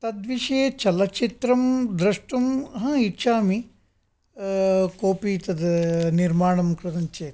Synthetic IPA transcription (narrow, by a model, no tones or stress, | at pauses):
t̪ɐd̪ʋiʂeːt͡ʃɐlɐt͡ʃit̪ɾɐmd̪ɾɐʂʈɐmɦɐ̃iʃaːmi | koːpiːt̪ɐd̪niɾmaːɳɐmkɾɨt̪ɐɲt͡ʃeː